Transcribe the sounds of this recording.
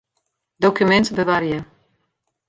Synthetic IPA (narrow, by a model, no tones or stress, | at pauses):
d̪ɔkʰjumɛnt̪ʰbəvaɾijɛ